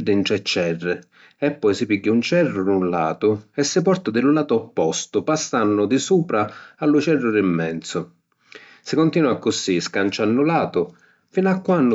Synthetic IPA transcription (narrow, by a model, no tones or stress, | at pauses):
d̪ːɪnt̪ɾɛt͡ʃːɛrːɪ | ɛpːɔjsɪpiɡːaunt͡ʃɛrːʊɾunla̰ːt̪ʊɛsːɪpɔrt̪ʊd̪ɪlʊlaːt̪ʊɔpːɔst̪ʊpasːanːʊd̪ɪsuːpɾaalːʊt͡ʃɛrːʊɾimːɛnt̪sʊ | sɪkʊnt̪iːnuakːʊsiskant͡ʃanːʊlaːt̪ʊ | finakːwanːʊ